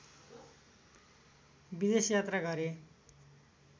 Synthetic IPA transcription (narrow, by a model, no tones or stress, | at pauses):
bid̪esjat̪raɡʌɾe